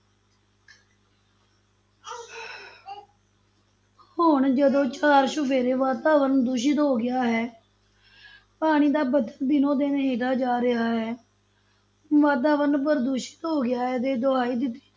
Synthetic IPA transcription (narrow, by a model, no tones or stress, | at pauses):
hʊɳd͡ʒəd̪õːt͡ʃaːɾʃʊpʰeːɾeːʋaːt̪aːʋəɾnd̪uːʃ̬ɪt̪ɦoːɡɪjaːɦɛː | paːɽ̃iːd̪aːbəd̪əld̪ɪnõːd̪eːneɦeːʈaːd͡ʒaːɾɪɦaːɦɛː | ʋaːt̪̬aːʋəɾnpəɾd̪uːʃɪ̥t̪ɦoːɡɪjaːɦɛːd̪eːd̪oaːiːd̪ɪt̪ːi̥ː